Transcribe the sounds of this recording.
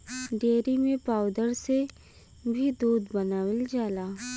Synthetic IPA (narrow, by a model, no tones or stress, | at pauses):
ɖeːɾimẽpaːwd̪əɾse | bʱid̪oːd̪bɐnaːwɪld͡ʒaːlaː